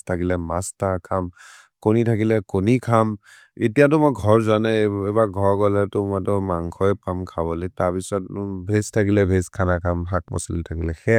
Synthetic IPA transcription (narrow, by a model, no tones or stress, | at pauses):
tʰakilɛmastakʰam | konitʰakilɛkɔnikʰam | etijatʊmɔɡʱɔɹzanɛɛbaɡʱɔɹkɔlɛtʊmɔtɔmaŋkʰɔjpamkʰabɔlɔjtaɹpisɔtbʱestʰakilɛbʱeskʰanakʰamɦak̚mɔ̰sɔltʰakilɛxɛ